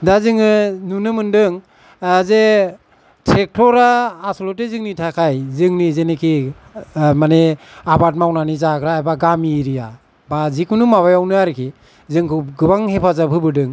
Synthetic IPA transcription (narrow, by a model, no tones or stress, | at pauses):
dazɯŋɯnunɯmɯndɯŋ | aze | tʰɾek̚tʰɔɾaːsɔlɔtezɯŋnitʰakʰajzɯŋnizenekʰi | maneabat̚mawnanizakɾaːbaɡamiɾija | bazikunumaβajawnɯaɾɯkʰi | zɯŋkʰɯɡɯbaŋhepʰazabʰɯbɯdɯŋ